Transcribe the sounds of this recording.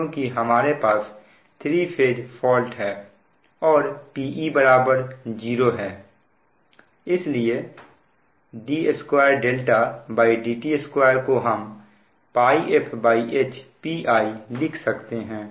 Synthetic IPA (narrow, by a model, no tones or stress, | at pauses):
õkiɦɐmaːɾepaːs | t̪ʰɾipʰeːɖfʰɔːlʈɦɛː | ɔːɾpiːʔibɐɾaːbəɾd͡ʒiːɾoɦɛː | ɪslie | ɖieskwaːjəɾɖeːlʈabaːiɖiːʈieskwaːjəɾkoɦɐm | paːiʔepʰbaːiʔeːt͡ʃpiːʔaːilɪkʰsɐkt̪eɦɛ̃ː